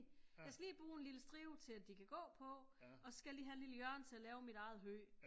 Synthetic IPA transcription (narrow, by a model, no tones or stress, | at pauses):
jɑɪsɡ̥æliːb̥ʁuːe̝nliləsd̥ʁiːʊt͡sʰe̝læd̥ikʰæɡ̥ɔ̰̽ːpʰɒ̽ɒ̽sɡ̥ælḭːɦæenliləjɶɐ̰nt͡sʰe̝ælɛːʊmiɾ̥ɑ̈ɪð̞̩ˠɦø̰ː